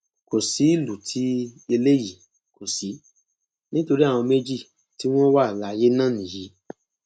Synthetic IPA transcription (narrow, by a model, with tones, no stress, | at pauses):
ko˨si˨˦i˦˨lu˨tʰi˨˦e˧le˦ji˨ | ko˨si˨˦ | nĩ˦to˧ɾi˦a˦˨w̃ɔ̃˧me˦d͡ʒi˦˨ | ti˦w̃ɔ̃˦wa˦˨la˧je˦nãː˦˨nĩ˨ji˨˧˦